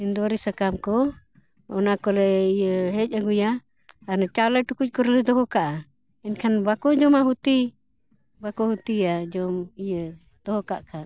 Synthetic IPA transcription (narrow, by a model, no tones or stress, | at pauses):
ɛnd̪aɾisakamkɔ | ɔ̰nakɔlɛijəɦɛc̚aɡujaː | nat͡ʃalaʈukuc̚ˀkɔɾɛlɛd̪ɔɦɔkaʔa | ɛnkʰanbakɔd͡ʒɔmaɦut̪i | bakɔhut̪iad͡ʒɔmijə | d̪̥ɔɦɔkaʔkʰan